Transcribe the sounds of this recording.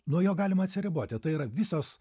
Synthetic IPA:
nuɔjoːɡɑːlʲɪmɐt̪sʲɪɾʲɪboːt̪ʲɪt̪ɐɪiːɾɐʋʲɪsoːs

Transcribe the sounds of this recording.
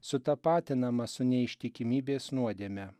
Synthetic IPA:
sʊt̪ɐpɑːt̪ʲɪnɐmɐsʊnʲɛɪʃʲt̪ʲɪkʲɪmʲiːbʲeːsnuɔd̪ʲeːmʲɛ

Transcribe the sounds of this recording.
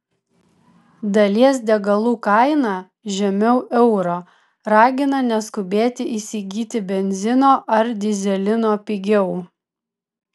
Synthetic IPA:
d̪ɐlʲiɛs̬d̪ʲɛɡɐlˠuːkɐɪnɑː | ʒʲɛmʲɛʊʔɛʊɾoː | ɾɑːɡʲɪnɐnʲɛskʊbʲeːt̪ʲɪʔisʲiɡʲiːt̪ʲɪbʲɛnʲzʲɪnoːʔɐɾd̪ʲɪzʲɛlʲɪnoːpʲɪɡʲɛʊ

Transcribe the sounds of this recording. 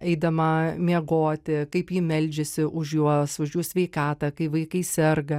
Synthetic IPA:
ɛɪd̪ɐmɐmʲiɛɡoːt̪ʲɪkɐɪpjiːmʲɛlʲd͡ʒʲɪsʲɪʔʊʃjuɔsʊʃjuːsʲʋʲɛɪkɑːt̪ɐkɐɪʋɐɪkɐɪsʲɛrɡɐ

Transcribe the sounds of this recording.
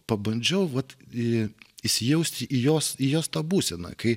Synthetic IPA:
pɐbɐnʲd͡ʒʲɛʊʋɐt̪ | ɪʃʲsʲɪjɛʊsʲt̪ʲʔijoːsijoːst̪ɐːbuːsʲɛnɐ̰ːkɐɪ

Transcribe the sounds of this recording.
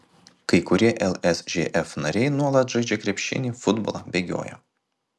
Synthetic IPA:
kɐɪkʊɾʲiɛʔɛlˠɛsʒʲeːʔɛfnɐɾʲɛɪnuɔlˠɐt̪ʒɐɪd͡ʒʲɛkɾʲɛpʲʃʲɪ̰nʲifʊd̪bo̰lˠɐbʲeɡʲo̰ːjɛ̰

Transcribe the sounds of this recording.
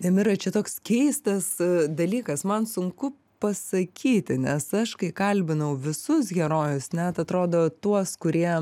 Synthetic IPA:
nʲɛmɪɾɐt͡ʃʲɛt̪oːkskʲɛɪst̪ɐsd̪ɐlʲiːkɐsmɐnsʊŋkʊ | pɐsɐkʲiːt̪ʲɪnʲɛsɐʃkɐɪkɐlʲbʲɪnɐʊʋʲɪsʊs̬ɡʲɛɾoːjʊsnʲɛt̪ɐt̪ɾoːd̪oːt̪uɔskʊɾʲiɛ

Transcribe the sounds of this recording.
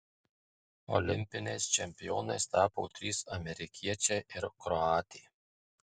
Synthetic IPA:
ɔ̰lʲɪmʲpʲɪnʲɛɪst͡ʃʲɛmʲpʲɪjoːnɐɪst̪ɑːpoːt̪ʲɾʲiːsɐmʲɛɾʲɪkʲʰiɛt͡ʃʲɛːʔɪɾkɾɔɑːt̪ʲiː

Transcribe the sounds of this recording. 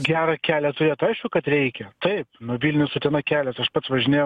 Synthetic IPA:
ɡʲæːɾɐkʲæːlʲɛt̪ʊɾʲeːt̪ɐɪʃkʲʊkɐt̪ɾʲɛɪkʲɛt̪ɐɪpnuʋʲilʲnʲʊsʊt̪ʲɛnɐkʲæːlʲɛsɐʃpɐt̪sʋɐʒʲɪnʲeːj

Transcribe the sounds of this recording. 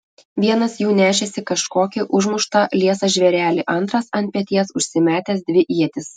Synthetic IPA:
ʋʲiɛnɐsjuːnʲæːʃʲɛsʲɪkɐʃkoːkʲɪʔʊʒmʊʃt̪ɐlʲiɛsɐʒʲʋʲɛɾʲæːlʲɪʔɐnt̪ɾɐsɐnt̪ʲpʲɛt̪ʲiɛsʊʃʲsʲɪmʲæːt̪ʲɛs̬d̪ʲʋʲɪʔiɛt̪ʲɪs

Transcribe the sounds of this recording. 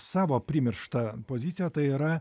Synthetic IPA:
ssɑːʋoːpʲɾʲɪmʲɪɾʃt̪ɐpoːzʲɪt̪sʲɪjɛt̪ɐɪiːɾɐ

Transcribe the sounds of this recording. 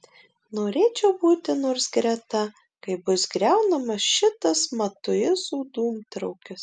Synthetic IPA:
noːɾʲeːt͡ʃʲɛʊbuːt̪ʲɪnoːɾsɡɾʲɛt̪ɐ | kɐɪbʊsɡɾʲɛʊnɐmɐsʃʲɪt̪ɐsmɐt̪ʊjɪsuːd̪uːmt̪ɾɐʊkʲɪs

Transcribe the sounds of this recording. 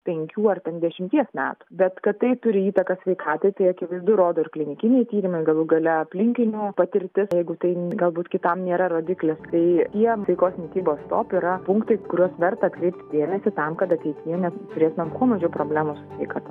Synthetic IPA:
pʲɛŋʲkʲuːɐrt̪ʲɛnd̪ʲɛʃʲɪmʲt̪ʲiɛsmʲæ̰ːt̪ʊ̥bʲɛt̪kɐt̪tɐɪt̪ʊɾʲɪiːt̪ɐkɐsʲʋʲɛɪkʰɑːt̪ɐɪt̪ɐɪɐkʲɪʋɐɪzd̪ʊɾoːd̪oːɪrklʲɪnʲɪkʲɪnʲɛɪt̪ʲiːɾʲɪmɐɪɡɐlˠuːɡɐlʲɛɐpʲlʲɪŋʲkʲɪnʲupɐt̪ʲɪɾʲt̪ʲɪsjɛɪɡʊt̪ɐɪɡɐlˠbuːt̪kʲɪt̪ɐmnʲeːɾɐɾoːd̪ʲɪklʲɪst̪ɐɪt̪ʲiɛtʲɐɪkoːsnʲɪkʲiːboːst̪oːpʲiɾɐpʊŋkt̪ɐɪkʊɾʲuɔsʋʲɛrt̪ɐɐt̪kɾʲɛɪp̚ʲt̪ʲd̪ʲeːmʲɛsʲɪt̪ɐmkɐt̪ɐt̪ʲɛɪt̪ʲɪjɛnʲɛtt̪ʊɾʲeːt̪ʊmʲɛmkuɔmɐʒʲɛpɾoːbʲlʲæːmosʊ̥sʲʋʲɛɪkɑt̪ɐ

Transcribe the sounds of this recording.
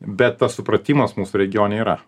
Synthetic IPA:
bʲɛt̪t̪ːɐssʊpɾɐt̪ʲiːmɐsmuːsʊɾʲɛɡʲɪjoːnʲeiɾɐ̰

